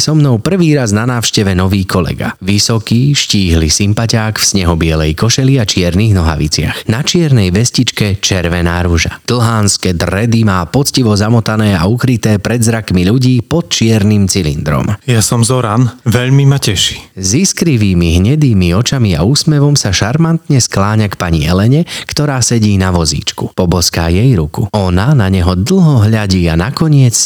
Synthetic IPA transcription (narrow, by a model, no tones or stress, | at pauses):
sɔmnɔʊpr̩ʋiːɾaznanaːwʃcɛʋɛnɔʋiːkʰɔlɛ̰ɡa̰ʋisɔkiːʃciːɦliːsimpacaːkfsɲɛɦɔbɪɛlɛjkɔʃɛliat͡ʃɪɛɾniːɣnɔɦa̰ʋḭt͡sɪa̰xnat͡ʃɪɛɾnɛjʋɛscit͡ʃkɛt͡ʃɛɾʋɛnaːɾuʒa̰d̪̥l̩ˠɦaːnskɛd̪ɾɛd̪imaːpɔt͡sciʋɔzamɔt̪anɛːaukɾit̪ɛːpɾɛd̪zɾakmiʎuɟiːpɔt̪̚t͡ʃɪɛɾnimt͡silḭnd̪ɾɔ̰mjasɔmzɔɾanʋɛʎmimacɛʃi̥ziskɾiʋiːmiɦɲɛd̪iːmiɔt͡ʃamia̰uːsmɛʋɔmsaʃaɾmant̪ɲɛsklaːɲakpaɲiɛlɛɲɛkt̪ɔɾaːsɛɟiːnaʋɔzḭːt͡ʃkupɔbɔska̰ːjɛjɾukuɔnanaɲɛɦɔd̪l̩ɦɔɦʎaɟiːanakɔɲɪɛt͡s